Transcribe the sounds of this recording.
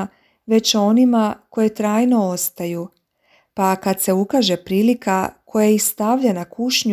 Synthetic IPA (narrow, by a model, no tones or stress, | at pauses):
ʋe̞t͡ɕo̞nimako̞jet̪ɾaːjno̞o̞st̪aju | pakad̪se̞ukaːʒe̞pɾiːlikʰakʰo̞jaist̪aʋʎanakʰuʃɲ